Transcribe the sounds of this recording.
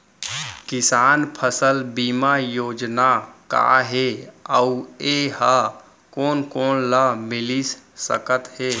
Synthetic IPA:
kɪsaːnpʰəsəlbiːmajoːd͡ʒnaka̰ɦeəueha | koːnkoːnlamɪlissə̰kət̪ɦeː

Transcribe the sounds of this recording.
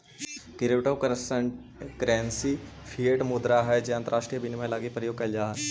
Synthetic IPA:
kɪɾɪʋʈo | kɾɛːnsipʰieʈmʊd̪ɾaɦɛd͡ʒeɐ̃nt̪əɾaːʃʈɾijəbinimẽlaːɡipɾəjoːɡ̚kɐld͡ʒaɦ

